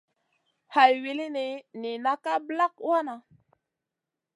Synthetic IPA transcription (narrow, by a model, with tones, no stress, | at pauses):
ha˨jwi˨li˦ni˨ni˨na˦ka˦bla˦k̚wa˦na˨